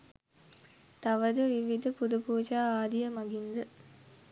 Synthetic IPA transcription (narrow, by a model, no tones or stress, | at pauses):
t̪ɐʋəd̪əʋiʋid̪ʱəpud̪upuːd͡ʒaːaːd̪ijəmɐɡind̪ə